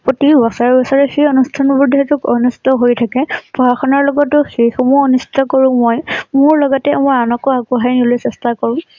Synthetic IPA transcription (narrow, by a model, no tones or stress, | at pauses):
potibɔsaɹbɔsaɹɛxejonustʰanbuɹdʱɛtʊkɔnusi̥tɔɦojtʰakɛpɔɦaxɔnaɹlɔɡɔtʊxejxɔmuonusi̥tɔkoɹʊ̃mojmʊɹlɔɡɔtɛmɔjanɔkɔakuɦajnilojsɛstakoɹʊ̃